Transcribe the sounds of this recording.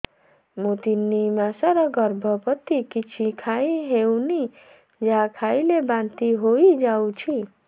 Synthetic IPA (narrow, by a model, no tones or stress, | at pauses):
mũt̪inːimasaɾʌɡʌɾbʱʌpʌt̪ːikit͡sʰikʰaiɦewni | d͡zakʰajlebant̪iɦoid͡ʒaw̃t͡ʃʰi